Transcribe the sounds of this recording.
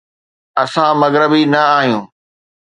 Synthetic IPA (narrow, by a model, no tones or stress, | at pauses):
ɐsãmɐɣɾəbinɐaːɦijũː